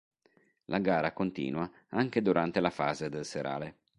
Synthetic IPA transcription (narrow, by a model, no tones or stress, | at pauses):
lʔaɡaːɾakont̪ḭːnwa | aŋk̟ed̪uɾʔant̪elafaːzed̪elseɾʔa̰ːle